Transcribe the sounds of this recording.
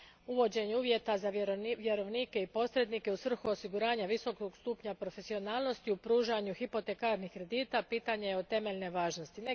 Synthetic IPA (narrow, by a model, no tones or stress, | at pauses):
uʋo̞d͡ʑe̞ɲeuːʋje̞t̪azaʋjeɾo̞ʋniːke̞ipo̞sɾe̞d̪nike̞usʋr̩xuo̞siɡuɾaːɲaʋiso̞koɡst̪uːpɲapɾo̞fe̞sio̞naːlˠno̞st̪iupɾuːʒaɲuhipo̞t̪e̞kaɾnihkɾe̞d̪iːt̪apiːt̪aɲe̞jeot̪e̞meʎne̞ʋaːʒno̞st̪ine